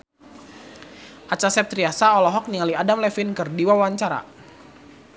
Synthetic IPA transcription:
ʔat͡ʃasɛp̚t̪ɾiasaɔlɔɦɔk̚niŋaliadamlɛfɪnkɨrdiwawaɲt͡ʃaɾa̰

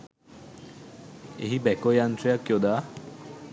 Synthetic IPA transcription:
ḛɦibɛkojant̪ɾijakjod̪a

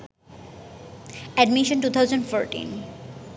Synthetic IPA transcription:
ɛɖmiʃõnʈut̪ʰawd͡ʑonɖfoɾʈḭn

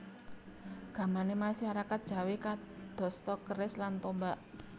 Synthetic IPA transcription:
ɡ̥a̤manemasaɾakat̪̚d̥ʒ̥a̤weka | d̪̥ɔ̤st̪ɔkəɾɪslant̪ombaʔ

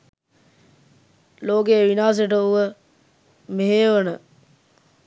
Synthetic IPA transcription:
loːɡeːʋinaːs̬eʈəuʋə | meɦeːʋɐnə

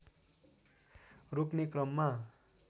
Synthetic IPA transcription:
roknekrʌmːa

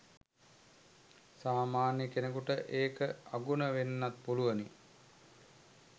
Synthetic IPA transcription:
saːmaːnjəkenəkuʈəʔeːkəaɡunəʋenːat̪̚puluʋəni

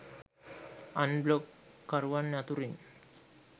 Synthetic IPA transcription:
anblokː | əɾʋanːat̪uɾin

